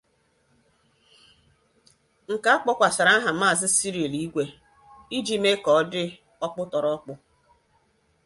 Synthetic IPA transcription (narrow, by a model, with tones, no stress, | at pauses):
ŋ̩˨ka˨˦a˦k͡pɔ˦kʷa˨sa˨ɾa˦a˦ɦa˨ma˦˨zɪ˦si˦ɾi˨e˨li˦ɡʷe˨ | i˦d͡ʒi˦me˦kɔ˨˦dɪ˦ | ɔ˦pʊ˦tɔ˨ɾɔ˦k͡pʊ˦